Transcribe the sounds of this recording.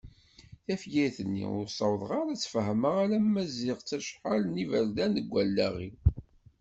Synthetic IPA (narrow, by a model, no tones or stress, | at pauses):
θæfjiθənːḭʊ̰ɾsˤɑwðˤʁɑɾˤæt͡sːfəɦəməʁalæmæzɪʁt͡sːæʃħalnivæld̪ænəɡʷːælːæʁi